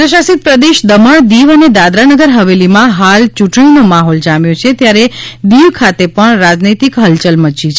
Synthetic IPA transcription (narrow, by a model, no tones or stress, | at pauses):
pɾəʃasit̪̚pɾəd̪eʃd̪əməɳd̪iʋəned̪ad̪ɾanəɡəɾɦəʋelimãɦalt͡ʃuʈɳinomaɦɔld͡ʒamjot͡ʃʰet̪jaɾed̪iʋkʰat̪epəɳɾad͡ʒnit̪ikɦəlt͡ʃəlmət͡ʃit͡ʃʰe